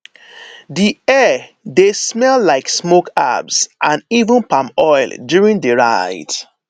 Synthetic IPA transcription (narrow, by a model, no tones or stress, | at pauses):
diɛ | desmɛllaɪksmoka̰bsʔãnivə̃npãmɔɪldjuɹĩndəɹaɪt